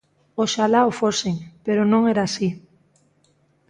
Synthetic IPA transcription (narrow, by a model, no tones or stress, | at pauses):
oʃalaofoseŋpeɾonõŋɛɾaːsi